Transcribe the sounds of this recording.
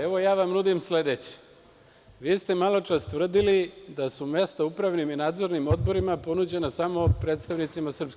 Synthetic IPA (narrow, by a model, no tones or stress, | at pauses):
eʋo̞jaːʋamnud̪imsle̞d̪et͡ɕe̥ | ʋiːst̪e̞malˠo̞t͡ʂast̪ʋr̩d̪ilid̪asume̞st̪aupɾaʋniminaːd̪zo̞ɾnimo̞d̪bo̞ɾimapo̞nud͡ʑe̞nasamo̞pɾet̪st̪aʋnit̪simasr̩psk